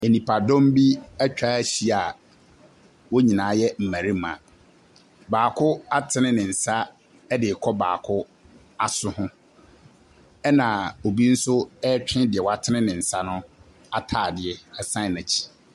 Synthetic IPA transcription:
e˨nĩ˨pʰa˨dɔ̃˦m˦bi˦æ˦t͡ɕᶣa˦ɕi˦a˨ | wo˦ɲĩ˨nãː˨˦jɛ˦m̩˨mæ̃˨ɾi˦mã̰˨ | baː˨kʰʊ˦a˦tʰɪ˨˦nɪ̃˦nɪ̃˨n̩˨sa˦ | ɛ˦dɪ˨kʰɔ˦ba̰ː˨kʰʊ˦ | a˨sʊ˦hʊ̃˦ | ɛ˦nã˨o˨bi˦n̩˦sʊ˦ɛ˦t͡ɕᶣɪ̃˦dɪ˨ɛ˨wɔ˦a˦˨tʰɪ˦nɪ̃˦nɪ̃˨n̩˨sa˦nʊ̃˦ | a˨tʰaː˨dɪ˨ɛ˦a˨sã˦˨næ˨t͡ɕʰi̥˨

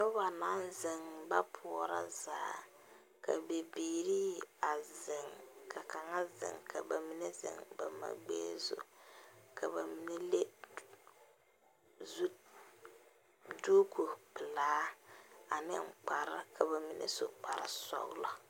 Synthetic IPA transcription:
to˦ba˨na˦n˦zɪ˨ŋba˦pʰʊ˨ɔ˨ɾa̰˦zaː˨˦˨ | ka̰˨be˨biː˨ɾiː˦a˨zɪ˨ŋkʰa˨ka˨ŋa˦zɪ̰˨ŋkʰa̰˨ba˨mi˦ne˦zɪ̰˨ŋba˨ma̰˨ɡ͡bḛː˦zo̰˨kʰa˨βa˨mi˨˦ne˦le˦ | zu˦ | du˦kʰo˨pɪ˨laː˦a˨nɪ̰˦ŋ͡mk͡pa˨ɾa˦kʰa˨ba˨mi˨nʔḛ˦so˨k͡pa˨ɾɪ̰˦˨sɔ̰˦la˦

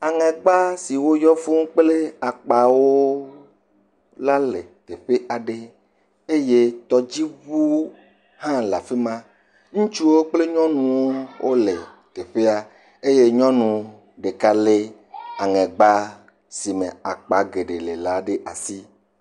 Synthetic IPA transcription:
a˨ŋɛ̃˨ɡ͡ba˦si˨wo˦jɔ˦fu˦ŋ˦k͡ple˦a˨k͡pa˨wo˦ | la˦le˨t̪e˨ɸe˦ʔa˨ɖe˦ | e˦je˦t̪ɔ˦d͡ʑi˦βu˦ | hã˦la˨fe˦mã˦ | ŋũ˦t͡ʃu˦wo˦k͡ple˦ɲɔ̃˦nũ˨wo˦wʔo˦le˨ | t̪e˨ɸe˦a˨ | e˦je˦ɲɔ̃˦nũ˨ | ɖe˨ka˦le˦ | a˨ŋɛ̃˨ɡ͡ba˦ | si˨mẽ˨a˨k͡pa˨ɡe˨ɖe˨le˨la˨˦ɖe˦ʔa̰˨si˦

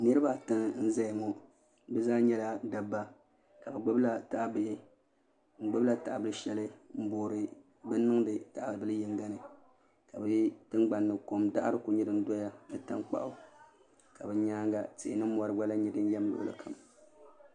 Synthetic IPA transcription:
nɨ˦ɾɨ˦ba˦tɨ˦ŋn̩˦za˦ɪ˨ŋɔ˨ | bɛ˦zaː˦ɲɛ˦la˦da˨bːa˦ | ka˨bɛ˨ɡ͡bɨ˦bla˦ta˨ʔa˨bɪ˨hɪ˦ | ŋ͡m̩˨ɡ͡bɨ˦bla˦ta˨ʔbɨ˦lɨ˦ʃɛ˦lɨ˦m̩˦boː˨ɾɨ˨ | bɨ˦nː˦ɨ˦ŋdɨ˨ta˨ʔa˨bɨ˦lɨ˦jɛ˨ŋɡa˦nɨ˨ | ka˨bɨ˨˦tɨ˦ŋɡ͡ba˨nːɨ˨ko˨mda˦ʔa̰˦ɾɨ˦ku˨ɲɛ˦dɨ˦n̩˦dɔ˦ja˦nɨ˨ta˦ŋk͡pa̰˨ʔʊ˨ | ka˨bɛ˨ɲaː˦ŋɡa˨tɪ˨ʔɪ˨nɨ˦mɔ˨ɾɨ˦ɡ͡ba˦la˦ɲɛ˨dɨ˦n˦jɛ˦m˦lʊ̰˨ʔʊ̰˨lɨ̰˨kʰa˨m˨

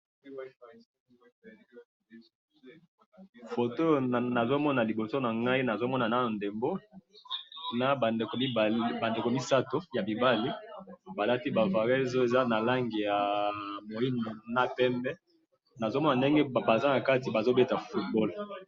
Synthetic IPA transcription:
fo˨to˦˨na˨zo˦mɔ˦na˨li˨bo˨so˦na˨ŋɡa˦i˦na˨zo˦mɔ˦na˨na˦o˨nde˨mbo˦ | na˨n˨kba˨nde˨ko˨mi˦sa˦to˨ja˨bi˨ba˦li˦ba˨la˦ti˦ba˨va˨ʁɛ˦zo˦e˨za˦na˨la˦ŋɡi˨ja˨mo˨i˦n˨na˦pɛ˦mbɛ˦ | na˨zo˦mɔ˦na˨nde˦ŋɡɛ˦ba˨za˦na˨ka˦ti˨ba˨zo˦be˦ta˨fu˦t̚bɔ˦l

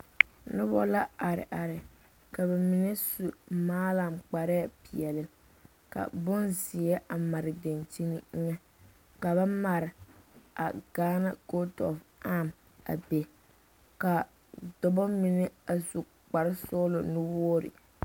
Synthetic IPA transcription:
nʊ˦bɔ̰˦la˦a˨ɾɪ̰˨ʔa˨ɾɪ˨ | ka˨bɛ˨mɪ˨nɛ˦su˨maː˦la˨mk͡pa˨ɾɛ˦˨pi˨ɛ˨lɪ˨ | ka̰˨bʊ˦nzɪ˨ɛ˦ʔa˨ma˨ɾɪ˨de˨nt͡ʃi˦nɪ˦ŋɛ˦ | ka˨ba˦ma˨ɾɪ˨a˨ɡ̥aː˦na˦ɡo˦tɔ̰˨fa˦˨m | a̰˨be˨ | ka˨ | dɔ˨bɔ˦mi˨nɛ˦a˨zu˨ | k͡pa˨ɾɪ˦sɔ˦lʊ˨nʊ˦wɔ˦ɾɪ̰˨

